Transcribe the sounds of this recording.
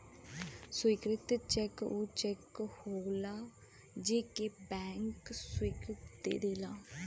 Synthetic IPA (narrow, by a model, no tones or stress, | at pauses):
sʊiːkɾɪt̪t͡ʃɛkut͡ʃɛkhoːlaː | d͡ʒeːkeːbɛːŋkswiːkɾɪt̪d̪ḛːd̪eːlaː